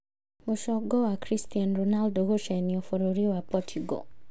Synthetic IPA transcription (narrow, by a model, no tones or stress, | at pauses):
moʃɔɡɔwakɾistianɾonaldoɡoʃɛniofoɾoɾiwapɔtʰiɡo̰